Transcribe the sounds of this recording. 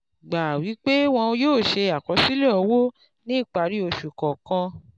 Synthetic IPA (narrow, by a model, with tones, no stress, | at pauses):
ɡ͡ba˨wi˨˦k͡pe˦w̃ɔ̃˧joː˦˨ʃe˧a˨kɔ˨˦si˦le˦ɔ˧wo˦ | nĩ˦˨k͡pa˨˧˦ɾi˦o˧ʃu˨kɔ˨kã˧